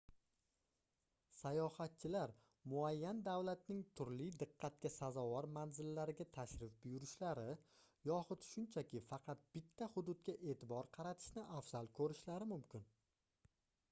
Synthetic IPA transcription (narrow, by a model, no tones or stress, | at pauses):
sajɒhat̪̚t͡ʃʰɪlaɾ | mʊajːand̪awlat̪̚nɪŋt̪ʰʊɾlɪjd̪ɨqːɑt̪̚kʲasazɒwɒɾmanzɪlːaɾɪɡʲat̪ʰaʃɾɪfbʊjʊɾɪʃlaɾɪjɒχʊt̪ʃʊnt͡ʃʰakʲʰɪfɑqʰɑt̪̚b̥ɪt̪ʰːahʊd̪ʊd̪̚ɡʲaʔe̞ːt̪ʰɪbɒɾqʰɑɾat̪ʰɪ̥ʃnɪʔafz̥alˠkʰɵɾɪʃlaɾɪmʊmkʲɪn